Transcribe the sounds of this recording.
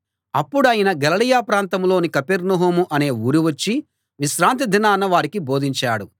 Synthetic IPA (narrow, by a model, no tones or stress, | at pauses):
ɐpːuɽɐːjinɐɡɐlɐɽijaːpɾaːnt̪ɐmlo̞ːnikɐpeɾnɐɦumuʔɐne̞ːuːɾiʋɐt͡ʃːi | ʋiʃɾaːnt̪̬id̪ʱinaːnɐʋaːɾikiboːd̪iɲt͡ʃaːɽu